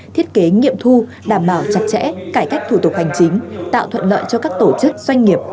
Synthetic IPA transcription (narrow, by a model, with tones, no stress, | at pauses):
t̪ʰi˦˥ət̚ke˨˦ŋḭ˧˨əmt̪ʰu˧ | ɗaː˧˩mɓaː˧˩wt͡ɕa˨˩t̚t͡ɕɛ̰˧˥kaː˧˩jka˦˥jk̟̚t̪ʰu˧˩t̪ʊ˨˩k̚ha˨˩jŋ̟t͡ɕï˨˦ŋ̟t̪a̰ː˧˨wt̪ʰwə̰˧˨nlə̰ː˧˨jt͡ɕɔ˧kaː˦˥k̚t̪o˧˩t͡ɕɨ˦˥k̚zwa˧jŋ̟ŋi˨˩əp̚